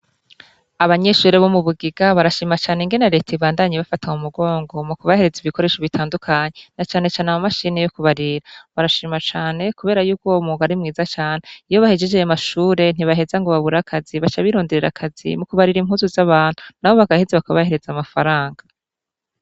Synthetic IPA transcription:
aβaɲe̞ʃuːɾeβomuβuɡiɡ̥aβaɾaʃiːmat͡ʃaːneŋɡe̞naɾe̞ːtaiβaːndaɲeβafataumuɡo̞ːŋɡo̞mukuβahe̞ɾe̞ziβiko̞ɾe̞ːʃoβitʰaːndukʰaɲe̞nat͡ʃaːne̞t͡ʃaːneamumaʃinejokuβaɾiɾaβaɾaʃiːmat͡ʃaːne̞kuβe̞ːɾajuːkomuɡaɾimŋiːzat͡ʃaːneijo̞βahe̞d͡ʒe̞d͡ʒejamaʃuːɾe̞n̥iβaɦe̞zaŋɡo̞βaβuɾakʰaziβat͡ʃaβiɾo̞ːndeɾeɾa̰kʰazḭmukuβaɾiɾim̥huːzuzaβaːn̥unaho̞βaɡahe̞zeβakaβahe̞ɾe̞zamafaɾaːŋɡa

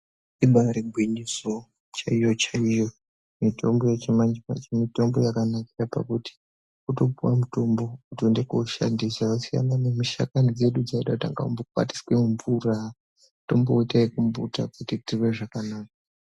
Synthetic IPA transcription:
iɓaɾiɡʱwiɲiso̞ | t͡ʃaijo̞t͡ʃaijo̞ | mito̞mbo̞je̞t͡ʃimand͡ʒipa̰t͡ʃimito̞mbojakanakirapa̰kuti̥ | uto̞puwamuto̞mbo̞utiendekoʃa̰ndisausija̰nanemiʃa̰kanid͡ze̞ɗud͡zaiɗakuta̰ŋɡa̰umbokwa̰ti̥swemuɱvura | to̞mboitaikuɱbṵta̰kutitiwe̞ʐakanaːka

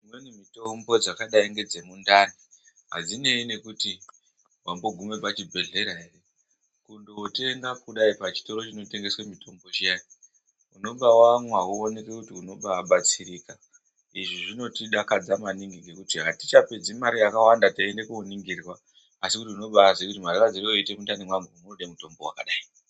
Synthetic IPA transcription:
imwenimito̞mbo̞d͡zakaɗaiŋɡe̞d͡ze̞mundari | ɦa̰d͡zine̞ine̞kuti | wambo̞ɡʱume̞pat͡ʃibʱe̞ɮe̞ɾaɦere̞ | kundote̞ŋɡapkuɗaipat͡ʃi̥to̞ɾo̞t͡ʃinote̞ŋɡe̞swemitʰo̞mbo̞ʃiani | uno̞ɓawamwawuone̞kekutiuno̞ɓaːɓat͡siɾika | iʐiʐino̞tiɗakad͡zamaniŋɡiɡʱe̞kutiɦati̥t͡ʃape̞d͡zimaɾijakawandataendekuuniŋɡirwaː | sikutiuno̞ɓasekutimaɾiwad͡zirioite̞mutanimwameunooɗaimuto̞mbowa̰ka̰ɗaːi

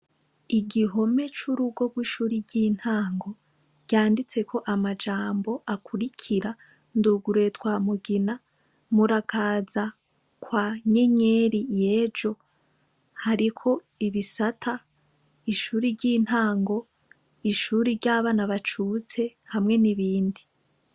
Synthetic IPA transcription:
iɡiɦo̞me̞t͡ʃuɾuɡo̞ɡ̚wiːʃuːɾiɟin̥haːŋɡo̞ | ɟ̥aːndit͡se̞kʰo̞ʔamad͡ʒaːmbo̞ʔakʰuɾikʰiɾa | nduɡuɾetwaːmuɡina | muɾakʰaːza | kwaːɲe̞ɲeɾijeːvd͡ʒo̞ | haɾikʰo̞ | iβisatʰa | iʃuːɾiɾɟiːn̥haːŋɡo̞ | iʃuːɾiɾɟaːβaːnaβat͡ʃut͡se̞hamŋe̞niβiːndi

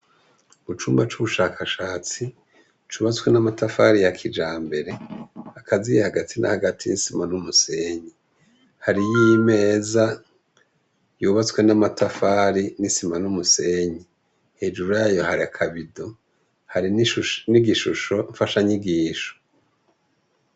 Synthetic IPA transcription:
βut͡ʃuːmbat͡ʃuβuʃaːkʰaʃaːt͡si | t͡ʃuβat͡skwenamatafaɾijakʰid͡ʒaːmbe̞ɾe̞akʰazijehaɡatʰina̰haɡatʰijisimanumuse̞ːɲi | haɾijime̞ːza | juːβat͡swenamatʰafaːɾinisimanumuse̞ɲi | he̞ːd͡ʒuɾujajo̞haɾiakʰaβido | haɾinniɡiʃuʃo̞ɱfaʃaɲiɡiːʃo̥

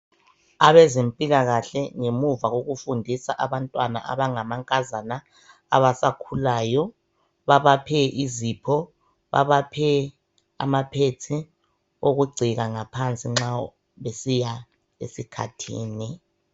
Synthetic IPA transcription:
aβɛzempʼilaɣaɬɛŋemuvaɣoɣufundʱisa̰ʔaβantʼwana̰ʔa̰βaŋamaŋkʼazana | a̰βasakʰulaːjɔ | βaβapʰɛʔizipʰɔ | βa̰βapʰɛ | a̰mapʰetʰi | oɣuɡ͡ǀʱiɣaŋapʰant͡sʼiŋ͡ǁa | βesija | ḛsikʰa̰tʰḭːni

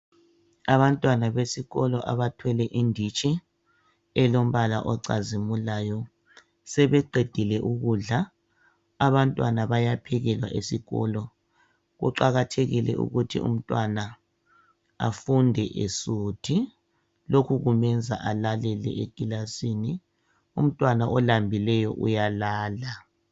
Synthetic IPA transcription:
aβantʼwanaβesiɣɔlɔʔa̰βatʰwɛlɛʔindʱit͡ʃʼi | ɛlom̩βala̰ʔɔǀa̰zimulaːjɔ | sɛβɛǃʱed̥ʱilɛʔuɣuɮa | aβantʼwanaβajapʰɛɣɛlwa̰ʔesiɣɔ̰lɔ | ɣṵǃaɣatʰeɣilɛ̰ʔṵɣutʰḭṵm̩tʼwana | a̰fundʱɛʔesuːtʰi | lokʰuɣumɛnd͡zʱaʔalalɛlɛ̰ʔeɡ̥ʱilasini | um̩tʼwanaʔɔlambʱilɛjɔʔṵjalaːla

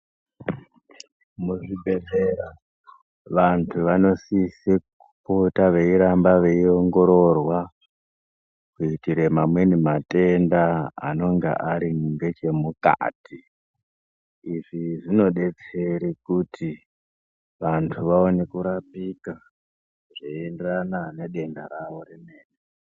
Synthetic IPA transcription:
muʐibʱe̞zeɾa | ʋantʰuʋano̞sisekupotaʋe̞iɾambaʋe̞io̞ŋɡo̞ɾo̞rwa | kuitiɾe̞mamwe̞nimate̞nda̰ːno̞ŋɡḛʔaɾiŋɡe̞t͡ʃe̞muka̰ːtʰi | ʐiʐino̞ɗe̞t͡se̞ɾikutʰi | ʋantʰuʋao̞ne̞kuɾapika | ʐeendranane̞ɗe̞ndaɾaʋo̞ɾime̞ːne

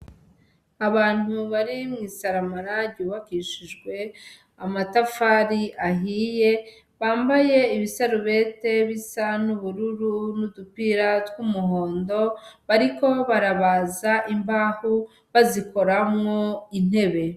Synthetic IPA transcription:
aβaːn̥huβaɾimŋiːsaɾamaɾaɟuːβakiʃiʒɡwe̞ | amatafaɾiʔaɦiːje̞ | βaːmbaje̞iβisaɾuβe̞ːte̞βisanuβuɾuɾunudupiɾatwumuɦo̞ːndo̞βaɾiko̞βaɾaβazaʔimbaːhu | βaziko̞ɾamŋo̞in̥e̞βe̞

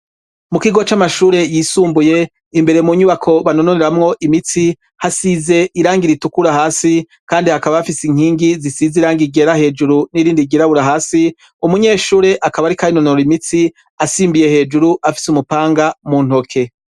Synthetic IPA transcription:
mukiɡo̞t͡ʃamaʃuːɾe̞jiːsuːmbuje̞ | imbe̞ɾemuɲuβakʰo̞βano̞noneɾamŋo̞ʔimiti | hasize̞iɾaːŋɡiɾitukuɾaɦaːsi | kaːndihakaβaafisiŋ̥iːŋɡizisiziɾaːŋɡiɡe̞ɾahe̞ːd͡ʒuɾuniɾiːndiɡeɾaβuɾaɦaːsi | umuɲeːʃuːɾe̞ʔakaβaɾikainonoɾimiti | asiːmbije̞he̞ːd͡ʒuɾuʔafi̥sumupaːŋɡamun̥hokʰe̞

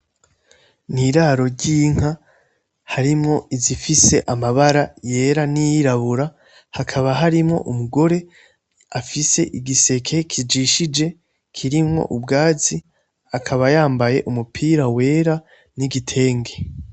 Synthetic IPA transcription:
niɾaɾo̞ɾɟiːŋ̥a | haɾimŋo̞izifise̞ʔamaβaɾaje̞ːɾanijiɾaβuɾa | hakʰaβaɦaɾimŋo̞̰ʔumuɡo̞ɾe̞ | afise̞̰ʔiɡise̞kʰe̞kʰid͡ʒiʃid͡ʒe̞ | kʰiɾimŋo̞̰ʔubɡaːzi | akʰaβajaːmbaje̞ʔumupʰiːɾawe̞ːɾa | niɡitʰe̞ːŋɡe̞

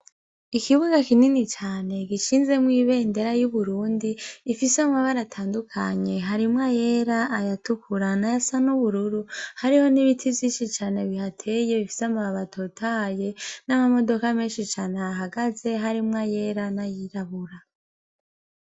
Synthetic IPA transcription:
ikiβuɡakininit͡ʃaːne̞ɡiʃiːnze̞mwiːβe̞nde̞ɾajuβuɾuːndiːfisamaβaɾatʰaːndukʰa̰ɲe̞ɦaɾimŋaje̞ɾaʔːjatukuɾanajasanuβuɾuɾuhaɾiho̞niβitʰiviːt͡ʃit͡ʃaːne̞βihatʰe̞je̞βifi̥samaaβatʰotʰaje̞namamo̞do̞kameːnʃit͡ʃaːneaɦaɡaze̞ɦaɾimŋaje̞ːɾanajiɾaβuɾa

